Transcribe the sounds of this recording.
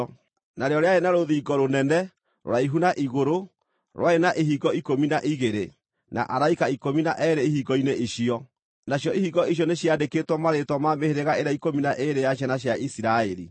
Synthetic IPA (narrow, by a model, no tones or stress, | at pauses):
naɾeɔɾeaenaɾoðiːɡɔɾonɛnɛ | ɾo̰ɾaiɦunaʔiɣoɾo | ɾwaenaʔeɦiɡɔikominaʔiɣeɾe | na̰ʔaɾaikaikominaʔɛɾeihiɡɔineʔiɕiɔ | naɕjɔihiɡɔiɕ̬jɔneɕjadeketwɔmaɾetwɔmameheɾeɣaeɾaikominaʔeɾejaɕ̬anaɕjaisiɾaeɾḭ